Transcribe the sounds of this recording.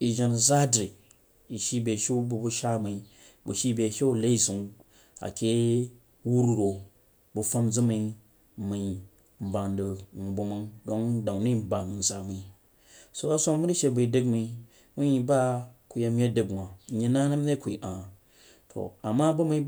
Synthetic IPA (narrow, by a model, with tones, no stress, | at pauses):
i˨ʒa˨n˨za˦dɾi˨ | i˨ʃi˦be˨ʃi˦bu˨bu˦ʃa˦mi˨˦ | bṵ˨ʃi˦be˨ʃe˦u˦˨le˦i˦zu˨ŋ | a̰˨kʲe˦ | wu˦ɾu˦˨ɾo˨ | bu˨fa˦md͡zɨ˦mi˧˦ | mi˨i˦ | m̩˨ba˨ndɨ˨ŋu˨bu˨mɨ˦ŋdo˦ŋda˨ŋni˦˨m̩˦ba˨nu˨n˨za˨mi˨˦ | so˨a˦so˦ŋmu˦ɾi˦ʃe˨˧bi˨dɨ˦kmi˧ | mu˦ji˨ba˦ku˨je˦m˦je˦dɨ˦ɡnʷ˨a˨ɲi˨na˦na˦m˦ne˦ku˨i˨ʔa˨ | tʰo̰˨a˨ma˦bu˦mi˦